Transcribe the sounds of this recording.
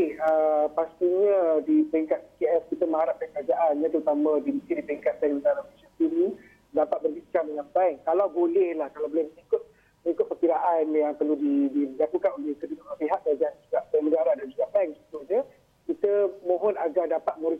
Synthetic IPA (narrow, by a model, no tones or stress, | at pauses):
eəpast̪iɲadipəɾiŋkat̪̚pikeɛfkit̪əmə̃aɾap̚kakəɾad͡ʒaʔanɲãt̪əɾut̪amãdimit̪idipəɾiŋkat̪̚bɛŋməd̪aɾapisət̪inĩ | dapat̪̚bərɡit͡ʃamdəŋanpaŋkalawbolɛhlahkalawbolɛhməŋikʊt̪̚ | məŋikʊt̪̚pərkiɾaʔanjaŋpərludidilakukanolɛhkədukaapiɦaʔkəɾad͡ʒaʔand͡ʒuɡaʔbɛmədaɾaʔdand͡ʒuɡabaŋsit̪uɲə | kit̪əmõɦɔnaɡardapat̪̚mə̃ɾi